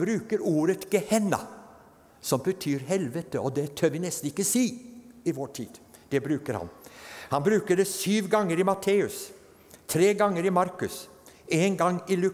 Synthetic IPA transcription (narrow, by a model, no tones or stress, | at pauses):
bɾʉːkəɾuːɾət̪ɡɛhɛnːɑ̰ | sɔmbət̪ʰyːɾɦɛlʋət̪əɔd̪ɛt̪ʰøːɾʋɪnɛst̪n̩ɪkːəsiːɪʋɔʈʰiːd̪̥ | d̪̥ɛbɾʉːkəɾhɑ̰nhɑnbɾʉːkəɖɛsyːʋɡɑŋːəɾɪmɑt̪ʰeːʉs | t̪ʰɾeːɡɑŋːəɾɪmɑɾkʉs | eːnɡɑŋɪlʉ